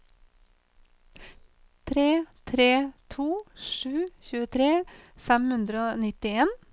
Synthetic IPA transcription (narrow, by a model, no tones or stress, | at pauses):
t̪ʰɾeːt̪ʰɾeːt̪ʰuːʃʉːçʉːət̪ʰɾeːfɛmhʉnd̪ɾəoːnɪt̪ɪeːn